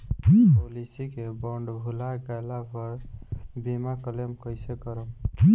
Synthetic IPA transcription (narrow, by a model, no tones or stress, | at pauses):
polisikebɔɳɖbʱulaɡalapɔɾbimakɔlemkɔjsekɔɾɔ